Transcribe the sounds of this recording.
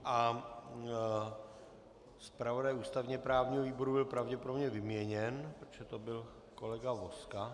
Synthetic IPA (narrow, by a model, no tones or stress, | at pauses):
ʔa | spɾavo̞dajʔuːst̪avɲɛpɾaːvɲiːɦoviːbo̞ɾubɪlpɾavɟɛpoɾdomɲɛvɪmɲɛɲɛnpɾot̪ʒ̥ɛt̪obɪl | ko̞lɛɡavoska